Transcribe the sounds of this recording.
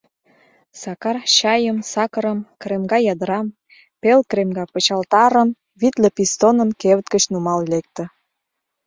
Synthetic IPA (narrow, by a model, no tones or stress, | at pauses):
sɑkɑrɕɑjəmsɑkə̆ɾəmkɾemɡɑjɑd̪əɾɑm | pelkremɡɑpə̆t͡ɕɑlt̪ɑɾəm | βit̪lĕpist̪onə̆nkeβət̪kət͡ɕnumɑllek̚t̪ə̆